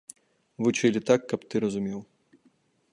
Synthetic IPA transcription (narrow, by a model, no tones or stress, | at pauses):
vut͡ʂɨlʲit̪akːɐpt̪ɨɾɐzumʲɛw